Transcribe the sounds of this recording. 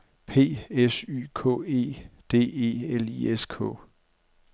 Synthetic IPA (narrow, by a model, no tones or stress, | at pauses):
pʰe̝̰ːesy̰ːkʰɔ̰ːe̝̰ːd̥e̝̰ːe̝̰ːelieskʰɔ̰̽ː